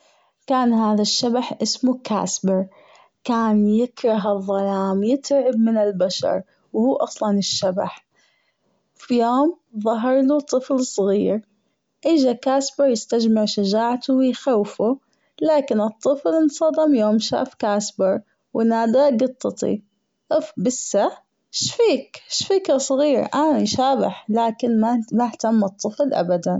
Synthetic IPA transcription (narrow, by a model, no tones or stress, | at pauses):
kaːnɦaːðaʃːabaħʔɪsmuka̰ːsbɪɾˤ | kaːnjɪkɾˤɑɦɨðˤːɑlaːmjɪt̪ɾʕɪbmɪnɪlbaʃɑ̰ɾˤ | whuːʔɑsˤlɑnɪʃːaba̰ħ | fijoːm | ðˤɑɦɑɾˤlut̪ˤːɨflsˤɣiːɾ | ʔiːd͡ʒakaːsbɪɾˤjɪst̪ad͡ʒmɪʕʃad͡ʒaːʕat̪ʊwɪjxawfu | laːkɪnɨt̪ˤːɨflnsˤɑd̪ɪmjoːmʃa̰ːfkaːsbɪɾˤ | wʔɪnaːd̪aɡɑt̪ˤːɑt̪ˤḭ | ʔbɪsːa | ʃfiːkʃfiːkasˤɣiːɾʔanaʃaːbɪ̰ħlaːkɪnmamaht̪amːɨt̪ˤːɨflʔa̰bad̪an